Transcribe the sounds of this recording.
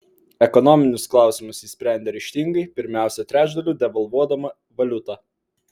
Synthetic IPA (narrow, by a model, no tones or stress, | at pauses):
ɛkɔnɔmʲɪnʲʊsklˠɑˑʊsʲɪmʊsiːsʲpʲɾʲæˑnʲd̪ʲeɾʲɪʃʲt̪ʲɪŋɡɐɪpʲɪɾʲmʲæˑʊsʲɛt̪ʲɾʲæːd͡ʒd̪ɐlʲuːd̪ʲɛʋɐlˠʋuɔd̪ɐmɐ | ʋɐlʲʊt̪ɑː